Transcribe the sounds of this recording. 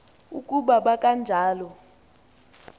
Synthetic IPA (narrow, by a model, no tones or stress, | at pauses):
ukʼuɓaɓakʼand͡ʒʱaːlɔ